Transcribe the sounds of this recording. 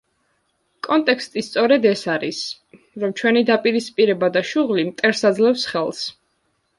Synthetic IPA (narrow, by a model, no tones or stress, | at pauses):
kʼɔnt̪ʼɛkʰst̪ʼist̪sʼɔɾɛd̪ɛsaɾis | ɾɔmt͡ʃʰwɛnid̪apʼiɾispʼiɾɛbad̪aʃuʁlimt̪ʼɛɾsad̪zlɛfsχɛlˠs